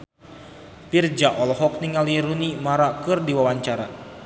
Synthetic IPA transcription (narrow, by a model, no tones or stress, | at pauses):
pird͡ʒaʔɔlɔɦɔk̚niŋaliɾunimaɾakɨrdiwawaɲt͡ʃaɾa